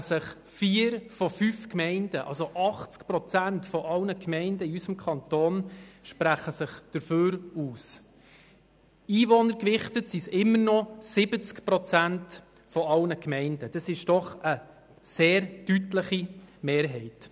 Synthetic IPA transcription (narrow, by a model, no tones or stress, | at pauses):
səχ | fiːəɾfɔfyfkmɛɪnd̥əʔɑ̰lsoʔɑχt͡skpɾɔt͡sæntfɔʔɑlnəkmɛɪndəiysəmkʰɑnt̪oːnʃpɾæχəsəχd̥əɾføːɾuːs | iːvɔnəɾkʋɪχtətsisɪmːəɾnɔsɪbət͡skpɾɔt͡sænt | fɔɑlnəkmɛɪndəd̥ɑsɪʃd̥ɔχə | seːɾdytləχimeːɾɦɛɪt